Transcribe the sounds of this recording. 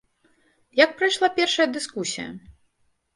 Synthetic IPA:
jɐk̚pɾajʂlˠapʲɛrʂɐjɐd̪ɨskusʲijɐ̰

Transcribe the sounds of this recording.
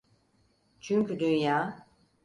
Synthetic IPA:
t͡ʃʰyɲcyd̪ynjaː

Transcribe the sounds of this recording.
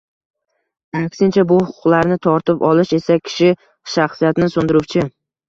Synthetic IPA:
akʲsɪnt͡ʃʰabʊhʊqʰʊ̥qlˠaɾnɪt̪ʰɒɾt̪ɪpɒlɪʃe̞sakʲʰɪ̥ʃɪ | ʃaχsijat̪nɪsond̪ɪɾʊwt͡ʃʰɪ

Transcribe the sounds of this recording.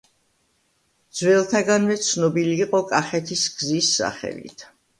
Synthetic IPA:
d̪z̥wɛlˠt̪ʰaɡanmɛt̪sʰnɔbiliːqʼɔkʼaχɛt̪ʰisɡ̥zisːa̰χɛ̰lḭt̪ʰ

